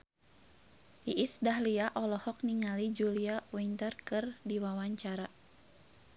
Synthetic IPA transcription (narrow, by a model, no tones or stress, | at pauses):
ʔiʔisdahliaʔɔlɔhɔk̚niŋalid͡ʒuliawint̪ərkɨrdiwawaɲt͡ʃaɾa